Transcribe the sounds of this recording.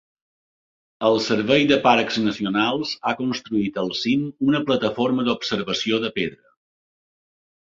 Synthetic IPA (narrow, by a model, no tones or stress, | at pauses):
əlˠsəɾβɛjd̪əpaɾkznəsiunalˠzakunst̪ɾuit̪əlˠsimunəplət̪əfoɾməd̪upsəɾβəsioðəpeðɾə